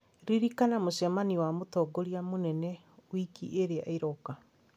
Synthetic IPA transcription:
ɾiɾikanamoɕɛmaniwamotɔɡoɾiamonɛnɛ | wikḭʔeɾea̰eɾɔka

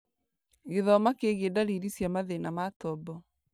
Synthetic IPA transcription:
ɣeðɔmakeɣedaɾiɾisjamaðenamatɔbɔ

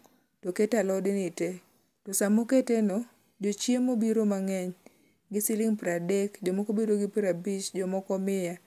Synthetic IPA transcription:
toketalɔdɪnɪte | tɔsamoketenɔ | d͡ʒot͡ʃjemobiɾomaŋɛɲ | ɡɪsɪlɪŋpɾadɛkd͡ʒɔmɔkobedoɡɪpɾabit͡ʃd͡ʒɔmɔkɔmɪja

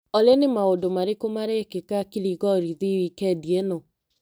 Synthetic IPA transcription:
ɔlenemaodomaɾekomaɾɛkekakiɾiɣɔɾiðiwikɛdiɛnɔ

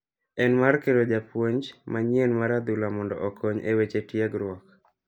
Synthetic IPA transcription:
ɛnmarkedod͡ʒapwoɲd͡ʒmaɲienmaɾad̪ulamɔndɔ̰ʔɔkʰɔɲḛwet͡ʃetjeɡɾwɔk

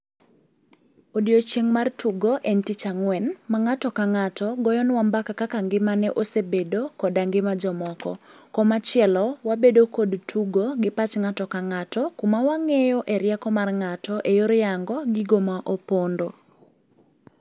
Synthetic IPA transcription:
odiot͡ʃeŋmartuɡoʔentit͡ʃaŋwɛnmaŋatɔkaŋatɔɡɔjɔnwambakakakaŋɡɪmanɛʔosebedokɔdaŋɡɪmad͡ʒɔmɔkɔ̰ | kɔmat͡ʃjɛlɔwabedokodtʰuɡoɡɪpat͡ʃŋatɔkaŋatɔkumawaŋejoʔɛɾjɛkɔmarŋatɔʔejoɾjaŋɡɔɡiɡomaʔopondo

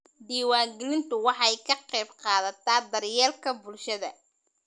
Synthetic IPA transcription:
d̪iːwaːŋɡɛlɪnt̪ʰʊwɑħɑjkʰɐqɛjbqɑːðɐt̪ʰaːd̪ɐrjɛːlkʰɐbʊlʃɐðɐ

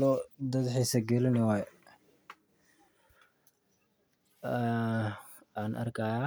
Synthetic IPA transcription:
lɔd̪ɐd̪ħiːsɐɡɛlɪnɛwajɛ | aːnʔɐ̰rkʰaja

